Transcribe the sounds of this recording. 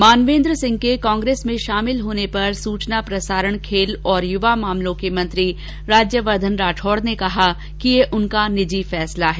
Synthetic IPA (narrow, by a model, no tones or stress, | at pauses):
maːnʋẽːnd̪ɾəsɪ̃ŋɡ̚kekɔ̃ːŋɡɾeːsmẽʃaːmɪlɦoːnepɐɾsuːt͡ʃnapɾɐsaːɾəɽ̃kʰeːlɔːɾjʊʋamaːmlõkemɐ̃nt̪ɾi | ɾaːd͡ʒjəʋəɾd̪ʱənɾaːʈʰɔːɽnekɐɦa | kijeʔʊnkanɪd͡ʒifɛːslaɦɛː